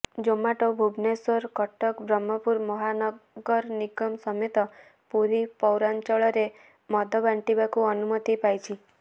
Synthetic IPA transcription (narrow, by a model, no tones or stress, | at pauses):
d͡ʒomaʈobʱubnesɔɾkɔʈɔkbɾɔmːɔpuɾmɔɦanɔɡɔɾniɡɔmsɔmet̪ɔ | puɾipɔwɾant͡ʃɔɭɔɾe | mɔd̪ʱɔbaɳʈibakuɔnumɔt̪ipajt͡ʃʰi